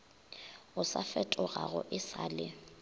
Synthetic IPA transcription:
ʊsafɛtʼʊɣaɣʊʔɪsaːlɪ

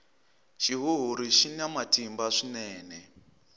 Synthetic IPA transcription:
ʃiɦuɦuɾiʃinamatimbaʂinɛːnɛ

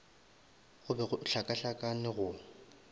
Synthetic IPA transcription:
ɣʊbɛɣʊɬakʼaɬakʼanɪɣʊ

